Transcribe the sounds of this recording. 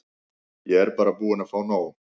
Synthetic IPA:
jɛɛɾpaːɾapuːanafaːwnaːw

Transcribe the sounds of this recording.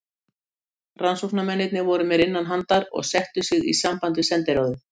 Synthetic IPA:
ransuwknamɛnːɪt̪̚nɪvɔɾʏmjɛɾɪnːanɦant̪aɾɔ̰ɣsɛht̪ʏsɪɣḭsampant̪̬ʏsɛnt̪ɪɾoːwðʏ

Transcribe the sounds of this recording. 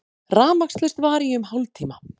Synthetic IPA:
raːmakst̪lɛst̪vaːɾiʏmɦawlt̪ʰiːma

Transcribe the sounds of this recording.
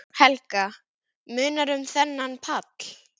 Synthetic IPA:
hɛlka | mʏːnaɾʏmθɛnːanpʰat̪l̥

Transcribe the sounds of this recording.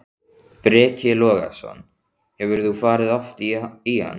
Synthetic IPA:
pɾɛːcɪlɔːɣa̰sɔ̰nː | hɛvʏɾθufaːɾɪðɔft̪iha̰nː

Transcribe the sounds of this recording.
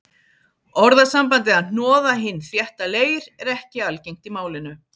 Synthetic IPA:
ɔɾðasampant̪̬ɪaðn̥ɔːðaɦɪnːθjɛht̪aleːjɾɛɾɛhcɪalcejŋ̥t̪imaːwlɪnʏ

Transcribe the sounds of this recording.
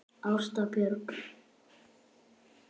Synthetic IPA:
awst̪apjœɾk

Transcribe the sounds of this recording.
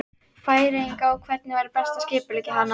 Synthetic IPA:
faːjɾejŋkaɔɣkʰvɛt̪nɪvajɾɪpɛ̥st̪ascɪːpʏliːcɪɦanːa

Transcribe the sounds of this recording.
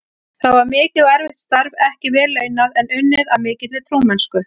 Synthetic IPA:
θaðvaɾmɪːcɪðɔɛɾvɪht̪st̪aɾvɛhcɪvɛːleːɥnaðɛnʏnːɪðaðmɪːcɪt̪lɪt̪ʰɾuːmɛnskʏ

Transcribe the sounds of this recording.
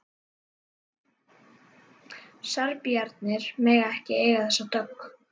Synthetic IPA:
saɾpjaɾt̪nɪɾ̥mɛːɣaɛhcɪeːjɣaθɛsat̪œkː

